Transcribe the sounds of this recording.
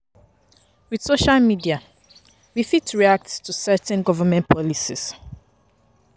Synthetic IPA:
wið̥soʃalmidia | wifitɹiak̚ttʰusɛtɛ̃nɡɔvəmɛ̃ntpʰɔlisis

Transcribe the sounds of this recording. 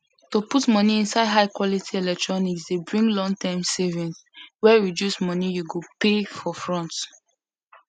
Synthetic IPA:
toputmɔniĩnsaɪdɦaɪkwɔlitʰielɛk̚tɹɔniksdebɹĩŋɡlɔ̃ŋtãmsevĩnswɛɹidjusmɔnijuɡopefɔfɹɔ̃nt

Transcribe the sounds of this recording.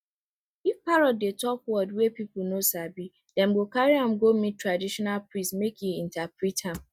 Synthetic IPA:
ifpaɹɔdːetʰɔkwɔdwɛpip̩nosabi | dɛ̃mɡokaɹiãmɡomĩtːɹadiʃɔnalpɹĩsmekjuĩntapɹithãm

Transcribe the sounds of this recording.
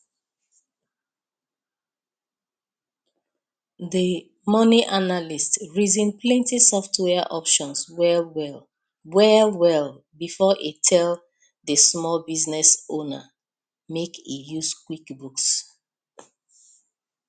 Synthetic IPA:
ðə | mɔniʔanalistɹizĩnplɛ̃ntisɔftwɛaʔɔpʃɔ̃nswɛwɛl | wɛwɛl | bifɔʔetʰɛl | ðəsmɔlbiznɛsõna̰ | mekḭjuzkwikbuks

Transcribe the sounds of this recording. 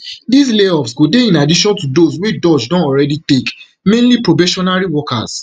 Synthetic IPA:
disleɔfsɡodeĩnadiʃɔ̃ntudoswidɔd͡ʒdɔ̃nɔɹɛditek | mẽnlipɹobɛʃɔnaɹiwɔka̰s

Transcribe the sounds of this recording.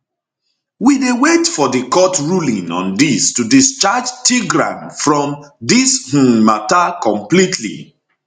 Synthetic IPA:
widewetfɔdəkɔtɹulĩŋɔ̰̃ndistudist͡ʃad͡ʒtiɡɹã̰nfɹɔ̃mdish̩matakɔ̃mplitʰlḭ

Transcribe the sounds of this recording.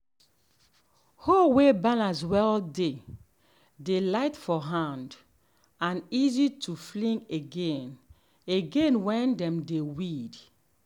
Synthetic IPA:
howebalãns̬wɛlde | delaɪtfɔɦãnd | ãnizitʰuflĩŋeɡẽn | eɡẽnwɛ̃ndɛ̃mdewid

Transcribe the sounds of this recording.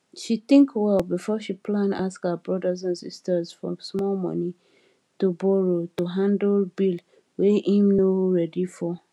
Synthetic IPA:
ʃiθɪ̃ŋkwɛlbifɔʃipʰlãndaskhəbɹɔdəzãnsḭstəzfɹɔ̰̃smɔlmɔ̰ni | tubɔɹotuɦãndl̩bil | weʔĩmnoɹɛdifɔ

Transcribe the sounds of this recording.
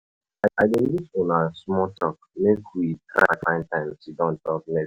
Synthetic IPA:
aaɪdẽlifõnasmɔtɔkmekwitɾa̰fãɪ̃ntãɪ̃msidɔ̃ntɔk̚nɛ

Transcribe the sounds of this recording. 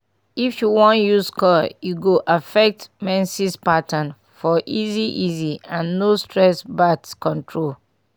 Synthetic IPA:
ifjuwɔ̃njuskɔjuɡoʔafɛk̚tmɛ̃nsispatãn | fɔʔiziʔiziãnːostɹɛsbatskɔ̃ntʰɹol

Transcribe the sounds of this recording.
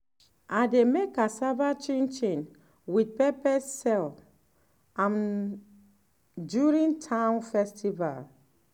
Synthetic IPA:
ʔademekasavat͡ʃẽnt͡ʃẽn | wid̚pɛpɛsːɛl | ãm | djuɹĩntʰãnfɛstiva̰l

